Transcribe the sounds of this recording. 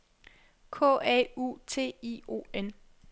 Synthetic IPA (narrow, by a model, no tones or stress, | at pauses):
kʰɔ̰̽ːɛ̰ṵːt͡sʰe̝̰ːḭːo̝̰ːen